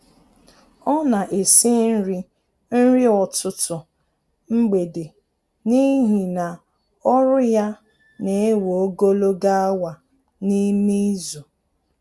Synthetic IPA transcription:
ɔ˦na˨ʔe˨si˦n̩˦ɾi˦ | n̩˦ɾi˦ɔ˨tʊ˨tʊ˨ | ŋ͡m̩˦ɡ͡be˨de˨ | ni˦ɦi˨na˨ | ɔ˦ɾʊ˦ja˦ | ne˨e˦wo˨o˦ɡo˦lo˦ɡa˦a˦wa˨ | ni˦mi˦zu˨

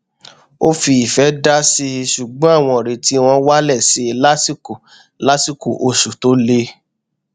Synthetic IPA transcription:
o˦fi˧i˨fɛ˨˦da˦si˧ʃu˨ɡ͡bɔ̃˦a˦˨w̃ɔ̃˧˨ɾe˨ti˨˦w̃ɔ̃˧wa˦lɛ˦˨si˨˧la˦si˦ko˨ | la˦si˦˨ku˨ʔo˨ʃu˨to˨˦le˧˦

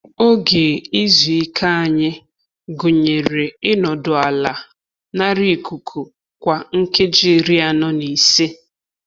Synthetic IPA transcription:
o˦ɡe˨i˦zu˨i˦kʰa˦a˨ɲɪ˦ | ɡʊ˨ɲe˨ɾe˨ɪ˦nɔ˨dʊ˨a˨la˨ | na˦ɾi˦˨ku˨kʰu˨ | kʷa˨ŋ̩˦ke˦d͡ʒi˦˨ɾi˦a˨nɔ˦ni˨se˦

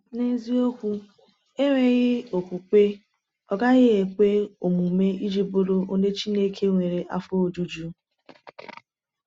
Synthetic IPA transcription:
ne˦zi˦o˦kʷu˦ | e˦ɾe˨ɣɪ˦o˨kʷu˨k͡pe˦ | ɔ˦ɡa˦ɣɪ˦e˨kʷe˦o˨mu˨me˦i˦d͡ʒi˦bo˦ɾo˦o˦de˦t͡ʃi˦ne˦kʰe˦ŋʷe˨ɾe˨ʔa̰˦fo˦o˨d͡ʒu˦d͡ʒu˦

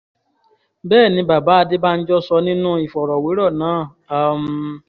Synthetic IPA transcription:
bɛː˦˨nĩ˧ba˨ba˨˦a˧de˦ba˦n̩˦d͡ʒɔ˦sɔ˧nĩ˦nũ˦i˨fɔ˨ɾɔ˨we˨˦ɾɔ˦˨nãː˨˦˨ | a˦˨m˧

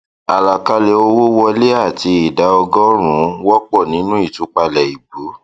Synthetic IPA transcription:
a˨la˨ka˧le˧o˧wo˦wɔ˧le˦a˦˨ti˧i˨da˨˦ɔ˧ɡɔ̃˦ɾ̃ũ˨˦wɔ˦k͡pɔ˦˨nĩ˨˦nũ˦i˦˨tu˨˧˦k͡pa˧lɛ˨i˨ɡ͡bu˨˦

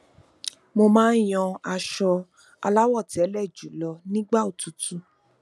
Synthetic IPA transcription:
mo˧mãː˦j̃ɔ̃˧a˧ʃɔ˧ | a̰˧la˦wɔ˦˨ti˨ɛ˨˦lɛ˦˨d͡ʒu˨˦lɔ˧nĩ˦ɡ͡ba˦o˨tu˨˦tu˦

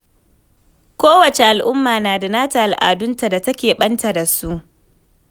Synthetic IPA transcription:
kʷoː˦wɐ˨t͡ʃe˨ʔa˨lʔʊ˦mːaː˨naː˨da˨naː˦ta˨ʔa˨lʔa̰ː˨dʊ˦nta˨da˨tɐ˦kʲeː˨ɓɐ˦nta˨da˨su˦ʔ

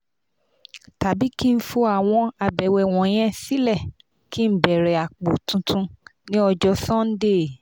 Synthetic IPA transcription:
ta˨bi˦ki˦n̩˦fo˧a˨w̃ɔ̃˧a˨bɛ˨wɛ˨w̃ɔ̃˨˦j̃ɛ̃˦si˦lɛ˦˨ | ki˦m̩˦bɛ˨ɾɛ˨a˨k͡po˨tũ˧tʰũ˧nĩ˦ɔ˧d͡ʒɔ˧sɔ̃˦n˦de˦˨

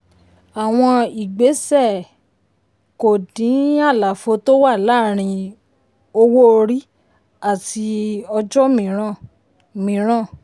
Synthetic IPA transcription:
a˨w̃ɔ̃˧i˨ɡ͡be˨˦sɛ˦˨ | ko˨dĩ˨˦a˦˨la˨fo˧to˦wa˦˨la˦˨ɾ̃ĩ˧ | o˧wo˦o˧ɾi˦ | a˦˨ti˧ɔ˧d͡ʒɔ˦mĩ˨˦ɾã˦˨ | mĩ˨˦ɾ̃ã˦˨

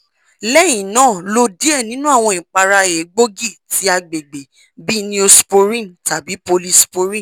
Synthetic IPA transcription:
lɛ˦j̃ĩ˨nãː˦˨lo˧di˦e˦˨nĩ˦nũ˦a˦˨w̃ɔ̃˧ĩ˨k͡pa˧ɾa˧e˨˦ɡ͡bo˦ɡi˦˨tʰi˨˦a˧ɡ͡be˨ɡ͡be˨ | bi˦nĩ˦o˧spo˧ɾĩ˦˨ta˨bi˨˦po˧li˦spo˧ɾĩ˦˨

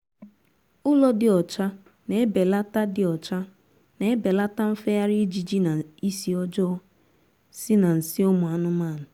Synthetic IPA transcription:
ʊ˦lɔ˦dɪ˨ɔ˨t͡ʃa˦ | ne˨e˦be˨la˦ta˦dɪ˨ɔ˨t͡ʃa˦ | ne˨e˦be˨la˦ta˦m̩˦fe˦ja˦ɾi˦d͡ʒi˨d͡ʒi˦na˨i˦si˨ɔ˦d͡ʒɔː˦ | sɪ˦na˨n̩˨sɪ˦ʊ˦mʊ˨a˨nʊ˦maː˦˨nʊ˨

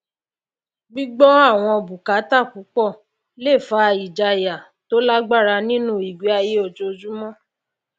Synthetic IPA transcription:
ɡ͡bi˦ɡ͡bɔ˦a˦˨w̃ɔ̃˧ɔ˧˨bu˨ka˨˦ta˦˨ku˨˦k͡pɔ˦˨ | le˦˨fa˨˦˧i˨d͡ʒa˧ja˨ | to˦la˦ɡ͡ba˦˨ɾa˧nĩ˦nũ˦˨i˨ɡi˨˦a˧je˦o˧˨d͡ʒo˧d͡ʒu˦mɔ̃˦

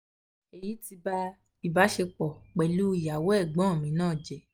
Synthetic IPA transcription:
e˨ji˨˦ti˧ba˧ | i˨ba˨˦ʃe˧k͡pɔ˨k͡pɛ˨lu˦i˨ja˨˦wɛ˦˨ɡ͡bã˨˦˨mĩ˨˦nãː˦˨d͡ʒɛ˨

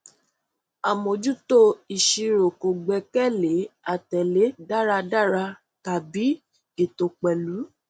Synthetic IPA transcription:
a˨mõ˨d͡ʒu˦to˦˨i˨ʃi˧ɾo˨ko˨ɡ͡bɛ˨kɛ˦˨le˨˦a˨tɛ˨le˨˦da˦˨ɾa˧da˦˨ɾa˧ | ta˨bi˨˦ | e˨to˧k͡pɛ˨lu˨˦

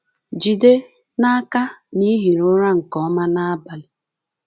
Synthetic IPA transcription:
d͡ʒi˨de˦ | na˦a˦ka˦ni˦ɦi˨ɾʊ˦ɾa˦ŋ̩˨kɔ˦ma˦na˦a˦ba˨lɪ˨

